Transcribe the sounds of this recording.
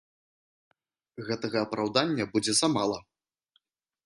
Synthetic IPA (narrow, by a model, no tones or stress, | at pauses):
ɣɛt̪ɐɣɐːpɾawd̪anʲːɐbud͡zʲɛzamalˠɐ